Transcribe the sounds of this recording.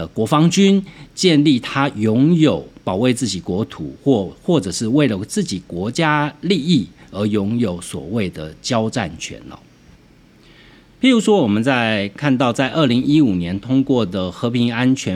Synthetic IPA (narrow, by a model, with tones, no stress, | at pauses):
ə˩kwɔ˧˥fɑ˥ŋt͡ɕy˥nt͡ɕjɛ˥˧nli˥˨˩t̪ʰa˥jʊ˧˥ŋjo˨˩˦ʊpɑ˨˩ʊwe˥˧ɪt͡sɹ̩˥˩t͡ɕi˨˩kwɔ˧˥t̪ʰu˨˩˦xwɔ˥˧xwɔ˥˩ʈ͡ʂɤ˨˩ʂɻ̩˥˧we˥˩ɪlə˩t͡sɹ̩˥˩t͡ɕi˨˩kwɔ˧˥t͡ɕja˥li˥˧i˥˩ə˞˧˥jʊ˧˥ŋjo˨˩ʊswɔ̰˨˩we˥˩ɪd̪ə˩t͡ɕjɑ˥ʊʈ͡ʂa̰˥˨nt͡ɕʰɥɛ̰˧˥n̰˨˦ | pi˨˥ɻu˧˥ʂwɔ˥wɔ˨˩mə˨˦nt͡sa˥˧ɪkʰa˥˧nt̪ɑ˥˧ʊt͡sa˥˧ɪʔə˞˥˩li˧˥ŋi˥u˨˩njɛ˧˦nt̪ʰʊ˥ŋkwɔ˥˩d̪ə˩xɤ˧˥pʰi˧˥ŋa˥nt͡ɕʰɥɛ˧˥